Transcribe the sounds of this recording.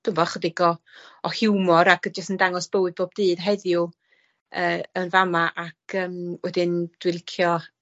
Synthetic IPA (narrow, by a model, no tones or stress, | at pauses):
d̥ʊmvɔχədɪɡɔ | ɔhɪwmɔɾakəd͡ʒəstəndaŋɔsb̥əwɨd̚boːb̚dɨːdɦɛðjʊ | əːənvamaʔakʰəːmwɛdɪnd̥wɪlˠkʰjɔ